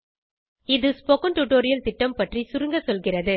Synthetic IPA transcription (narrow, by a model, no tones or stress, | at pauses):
ɪðɯspɔkɐnʈʊʈoːɾɪjɐlt̪ɪʈːɐmpɐʈrisʊɾɯŋɡɐsɔlɣɪrɐðɯ